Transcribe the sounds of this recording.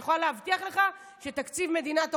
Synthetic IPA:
χolaleavt̪iaχle̞χa | ʃet̪akt͡sivme̞d̪inat̪

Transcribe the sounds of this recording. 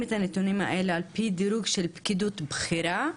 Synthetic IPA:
mɪt̪anet̪unima̰ʔelalpid̪iɾuːɡʃelbkid̪uːt̪bxiɾa

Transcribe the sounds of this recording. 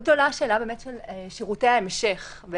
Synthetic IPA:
ɡ̚d̪o̞laʃeːlabeːmetʃeleʃiʁutejaemʃe̞χ | ve

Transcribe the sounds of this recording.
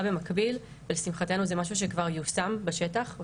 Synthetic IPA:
bemakbil | velesimχate̞nuzemaʃ̬uʃ̬ekvaʁjusambeʃetaχv

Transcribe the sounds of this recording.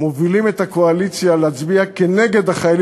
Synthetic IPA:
movilimet̪akoalit͡sjaleat͡sbiakeneɡe̞d̪haχajal

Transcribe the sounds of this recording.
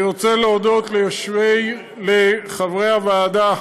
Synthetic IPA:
ʁot͡seleod̪o̞t̪lejoʃvej | leχavʁejhavaːd̪a

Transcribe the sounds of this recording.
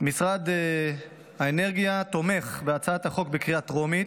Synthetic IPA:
misʁad̪ | haene̞ʁɡijat̪o̞me̞χbeat͡saat̪haχo̞kbekʁiat̪ʁomit̪

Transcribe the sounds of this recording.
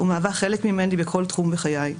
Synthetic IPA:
umeavaχe̞lekmimendibekʰo̞ltχumveχajaj

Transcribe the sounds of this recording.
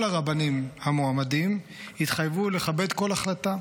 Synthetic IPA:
laʁabanimhamoamadim | hit̪χajvule̞χabe̞d̪ko̞laχlat̪a

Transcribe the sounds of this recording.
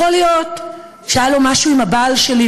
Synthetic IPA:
olijo̞t̪ | ʃajalomaʃuimhabaːlʃeli

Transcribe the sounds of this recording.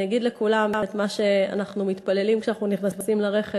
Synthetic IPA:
aɡid̪lekulamt̪maʃe̞a̰naχnumit̪pale̞limkʃeanaχnuniχnasimlaʁe̞χe

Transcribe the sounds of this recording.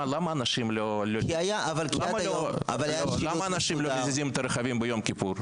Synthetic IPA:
lamɐːnaʃimlolokiajaʔavalklaamɐloa̰vajalamɐːnaʃimlozizʲimet̪ɐɾɐχavʲimbɨjomkʲipuɾ

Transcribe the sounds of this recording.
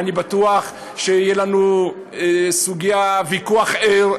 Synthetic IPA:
nibat̪uaχ | ʃeijelanu | suɡijavikuaχeʁ

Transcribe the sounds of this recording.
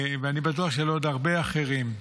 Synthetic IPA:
veanibatuaχʃelod̪aʁbeaχe̞ʁim

